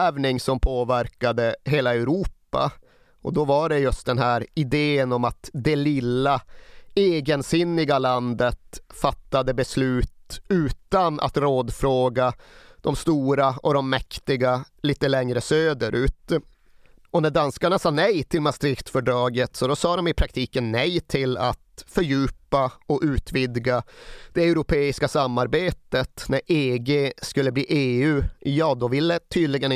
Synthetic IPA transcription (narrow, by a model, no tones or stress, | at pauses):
ɛvnɪŋsɔmpʰoːvæɾkad̪əɦeːlaɛʊɾuːpa̰ | ɔd̪ɔvaɖɛjɵst̪̚d̪ɛnɦæːɾɪd̪eːənɔmat̪d̪ɛlɪlːaeːɡənsɪnːɪɡaland̪ət̪fat̪ːad̪əbɛslʉ̟ːt̪ʉ̟ːt̪ana̰t̪ɾoːd̪fɾoːɡad̪̥ɔmst̪uːɾaɔd̪ɔmːɛkt̪ɪɡaliːt̪əlɛŋɾəsøːd̪əɾʔʉ̟ːt̪ | ɔnæɖanskaɳasɑːnɛjt̪ʰɪlmast̪ɾɪkt̪fœɖɾɑːɡət̪sɔd̪ɔsɑːd̪ɔmɪpʰɾak̚t̪ʰiːkənːɛjt̪ʰɪla̰t̪fœɾjʉ̟ːpaɔʔʉ̟ːt̪vɪd̪ɡad̪̥ɛɛʊɾʊpʰeːɪskasamːaɾbeːt̪ət̪næɾʔeːɡeːskɵlːəbliːʔeːʉ̟ːjɑːd̪ɔvɪlːət̪ʰyːd̪lɪɡən